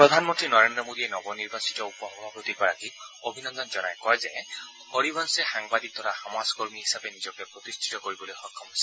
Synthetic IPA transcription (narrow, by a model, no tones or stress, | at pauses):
pɹɔd̪ʱanmɔntɹinɔɹendɹɔmodiɛnɔbɔniɹbasi̥tɔupɔɦɔbʱabot̪ipɔɹakikobʱinɔnd̪ɔnzɔnajkɔjzɛ | hoɹibɔnsɛxaŋbad̪ik̚d̪ʰɔɹaxamaskoɹmiɦisapɛnizɔkɛpɹɔt̪istʰi̥tɔkoɹibɔlojxɔkʰːɔmɦojsɛ